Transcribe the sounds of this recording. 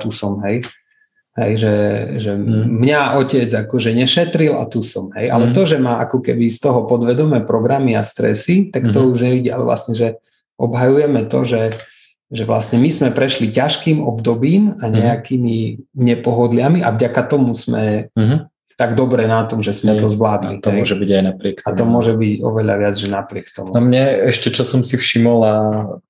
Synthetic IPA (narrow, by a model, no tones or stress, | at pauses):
t̪usɔmɦɛj | ɦɛjʒɛʒɛmɲaʔɔcɛd͡zakɔʒɛɲɛʃɛt̪ɾila̰t̪usɔmɦɛ̰jʔa̰lɛt̪ɔʒɛmaʔakɔkɛbist̪ɔɦɔpɔd̪ʋɛd̪ɔmɛːpɾɔɡɾamiast̪ɾɛ̰sit̪akt̪ɔuʒɲɛʋiɟiːa̰lɛ̰ʋlʔa̰sɲɛʒɛ | ʔɔbɦajujɛmɛt̪ɔ̰ʒɛ | ʒɛʋlasɲɛmizmɛpɾɛʃlicaʃkiːmɔbd̪ɔbiːmaɲɛakimiɲɛpɔɦɔd̪lɪamiʔa̰vɟakat̪ɔmusmɛ | t̪aɡd̪ɔbɾɛnat̪ɔmʒɛsmɛt̪ɔzʋlaːd̪lḭt̪ɔɛɔʒɛbiɟajnapɾɪɛkt̪aɔmʊɔʒɛbiɟɔ̰ʋɛʎaʋɪad͡zʒɛnapɾɪɛkt̪ɔ̰muamɲɛɛʃcɛt͡ʃɔsɔmsifʃimɔla